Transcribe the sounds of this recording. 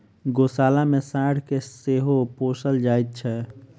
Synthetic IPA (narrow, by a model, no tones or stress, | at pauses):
ɡosaːlamesaɽkeseɦoposəld͡ʒajt̪̚t͡ʃʰɛ